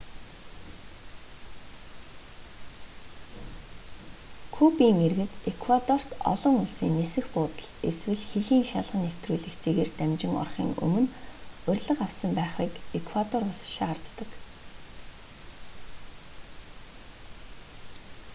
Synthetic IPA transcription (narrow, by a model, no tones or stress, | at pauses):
kʰupiːŋerɣɘ̆t̪ekʰwat̪ɔr̥t̪ɔ̰ɮɞ̆ŋʊɮsiːnːesɘ̆xpʊːt̪ə̥̆ɮeswɘ̆ɮxeɮiːŋʃaɮʁə̆nːew̥t̪ruːɮɘ̆kt͡seːɣeːrt̪æmt͡ɕɪ̆ŋɔ̰rχḭːŋɵ̰mɵ̆nʊrʲɮə̆qawsə̆mpæːχiːkekʰwat̪ɔrʊɮsʃaːrt̪ːə̆k